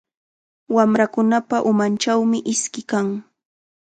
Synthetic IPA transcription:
wamɾakʊnapaʔʊmant͡ʃawmɪʔɪskɪkaŋ

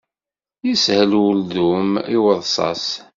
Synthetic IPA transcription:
jəshəlwəld̪umiwəðˤsˤɑ̰s

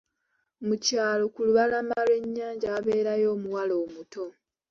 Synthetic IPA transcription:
mucaːlo̞kuluβalamalwe̞ɲːaːɲɟaːβe̞ːɾajo̞ːmuwalo̞ːmuto̞

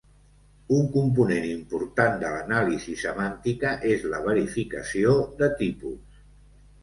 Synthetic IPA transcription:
uŋkump̬unenimpuɾt̪and̪ələnalizisəmant̪ikəʔezləβ̞əɾifikə̰siod̪ət̪ipus

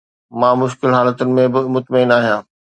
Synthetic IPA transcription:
mãːmʊʃkɪlɦaːlət̪ʊnɪ̆mẽbɪmʊt̪mɪnaːɦijãː

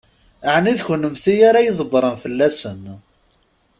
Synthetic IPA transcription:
əʕniðçənəmθijaɾajiðˤəbɾˤənfəlːæsən

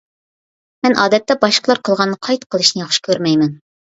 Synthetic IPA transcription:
mɛnʔɑːd̪ɛt̪ːɛbɑʃqʰəlˠɑɾqʰəlˠʁɑnːɨqʰɑjt̪qʰəlˠɨʃnɨjɑχʃɨ̥kʲʰøɾmɛjmɛn

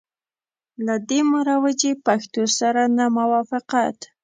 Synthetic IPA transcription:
lad̪emaɾawəd͡ʒepaxt̪osaɾanamawɑfɪqat̪

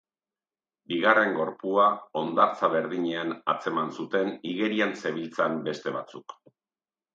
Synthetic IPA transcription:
biɣare̞ŋɡo̞ɾpuao̞nd̪aɾt͡saβe̞ɾðiɲeanat͡se̞mansut̪e̞niɣe̞ɾianse̞βilt͡sambe̞st̪e̞βat͡suk

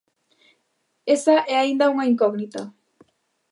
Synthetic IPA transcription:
esaʔɛaind̪auŋaiŋkoɣnit̪a

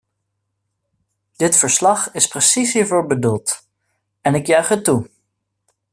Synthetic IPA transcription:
d̥ɪtfəɹslɑχɪsprəsisɦiːɹvʊːɹbədulˠt | ɛnɪkjœɥχətːu

